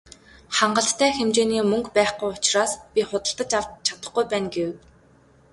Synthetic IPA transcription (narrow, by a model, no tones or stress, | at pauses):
χaɴɢə̆ɬt̪t̪ʰːæːxemt͡ɕeːniːmɵŋkpæːχɡujʊt͡ɕraːspʲiχʊt̪ə̆ɬt̪ə̆t͡ɕawt̪t͡ɕʰḁt̪ə̆χɡujpæːnɡew